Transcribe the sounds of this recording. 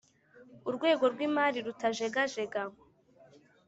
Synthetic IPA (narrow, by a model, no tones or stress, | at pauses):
uɾɡwe̞ːɡo̞ɾɡwiːmaːɾiɾutaʒe̞ɡaʒe̞ɡa